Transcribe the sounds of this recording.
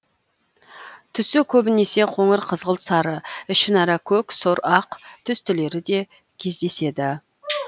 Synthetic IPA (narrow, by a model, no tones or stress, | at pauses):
t̪ʰʏsɪkʲʰɵbɪne̞se̞qʰo̞ɴəɾqʰəzʁəlˠsɑɾəɪʃɪnɑɾɑkʲʰɵksoɾɑqt̪ʰʏst̪ɪle̞ɾɪd̪e̞ | kʲʰe̞zd̪e̞se̞d̪ɪ